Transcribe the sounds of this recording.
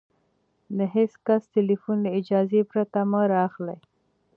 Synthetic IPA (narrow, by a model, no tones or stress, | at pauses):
d̪əɦɪskasʈɪlifunləɪd͡ʒɑzepɾat̪aməɾɑːxlaj